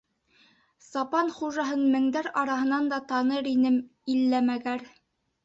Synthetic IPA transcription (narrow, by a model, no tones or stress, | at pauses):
sɑpɑnχuʒɑɦɤnmɘ̆ŋd̪æɾɑɾɑɦɤ̆nɑnd̪ɑt̪ɑnɤɾinɘmilːæmæɡæɾ